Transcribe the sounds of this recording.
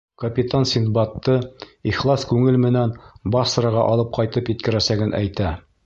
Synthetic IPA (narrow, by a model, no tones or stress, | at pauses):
kɐpʲit̪ansʲinbɑt̪ːɤiχlˠɑskʉŋɘlmɘ̆nænbɑsɾɑʁɑʔɒlˠɤp̚qʰɑjt̪ɤpjɘ̆t̪kɘ̆ɾæsæɡɘnʔæ̰jt̪æ